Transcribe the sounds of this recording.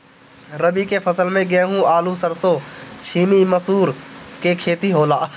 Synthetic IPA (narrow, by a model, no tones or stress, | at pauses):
ɾəbikepʰɐsəlmẽɡeːɦũaːlusəɾsot͡ʃʰiːmiməsuːɾkekʰeːt̪iɦoːlaː